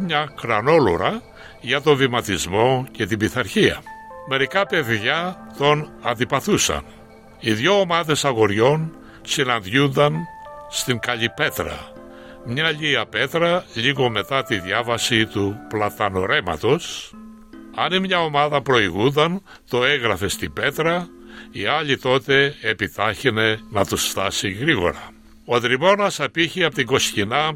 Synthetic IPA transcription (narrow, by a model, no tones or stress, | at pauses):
mɲɐkɾɐno̞lo̰ɾɐ | ʝɐt̪o̞vimɐt̪izmo̞ce̞t̪ibiθɐɾçiɐ̰me̞ɾikɐpe̞ðʝɐt̪o̞nɐ̰nd̪ipɐθusɐ̰n | iðʝo̞ːmɐðe̞sɐɣo̞ɾʝo̞n | sinɐnd̪ʝund̪ɐnst̪iŋkɐʎipe̞t̪ɾɐ̰ | mɲɐʎiɐpe̞t̪ɾɐʎiɣo̞me̞t̪ɐt̪iðʝɐvɐsit̪uplɐt̪ɐno̞ɾe̞mɐ̰t̪o̞s | ɐnimɲɐo̞mɐðɐpɾo̞iɣund̪ɐn | t̪o̞eɣɾɐfe̞st̪ibe̞t̪ɾɐ | iɐʎit̪o̞t̪e̞ːpit̪ɐçene̞nɐt̪usft̪ɐsiɣɾiɣo̞̰ɾɐ | oðɾimo̞nɐsɐpiçiɐpot̪iŋɡo̞scinɐ